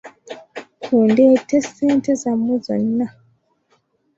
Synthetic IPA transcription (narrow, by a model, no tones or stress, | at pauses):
kʰuːndeteseːntezamːuzo̰nːa